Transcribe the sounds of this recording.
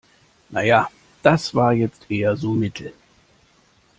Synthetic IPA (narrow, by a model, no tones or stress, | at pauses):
nʔaja | d̪̥asvaːjɛt͡steːazumɪtɛ